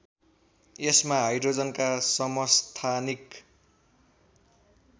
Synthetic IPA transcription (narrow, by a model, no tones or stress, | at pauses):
esmaɦʌjɾod͡zʌnkasʌmʌst̪ʰanik